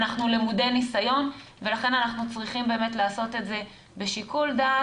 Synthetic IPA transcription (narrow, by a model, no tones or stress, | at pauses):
naχnulemude̞nisajo̞n | ve̞laχe̞nanaχnut͡sʁiχimbe̞ːme̞tlaːso̞t̪e̞tze̞ | beʃikulda